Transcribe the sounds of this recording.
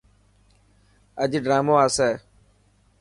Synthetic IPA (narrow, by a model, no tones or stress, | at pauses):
əʄɖɾaːmoːaːsɛː